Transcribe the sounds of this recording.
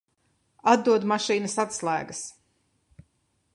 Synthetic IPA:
ad̪d̪uɔd̪maʃiːnɐsat̪slˠæːɡɐs

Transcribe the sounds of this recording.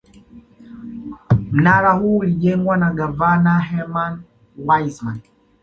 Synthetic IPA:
m̩naɾahuːuliʄɛŋɡwanaɠavanaɦɛman | wajzman

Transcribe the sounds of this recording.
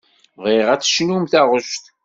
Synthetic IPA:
ðiʁæt͡sːə̥ʃnumθæʁəʃt̪

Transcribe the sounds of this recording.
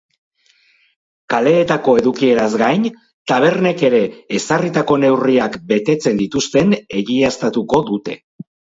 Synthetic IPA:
kale̞ːt̪ako̞e̞ðukie̞ɾazɡajn | t̪aβ̞e̞ɾne̞ke̞ɾe̞ːsarit̪ako̞ne̞wriakbe̞t̪e̞t͡se̞nd̪it̪ust̪e̞ne̞ɣiast̪at̪uko̞ðut̪e̞

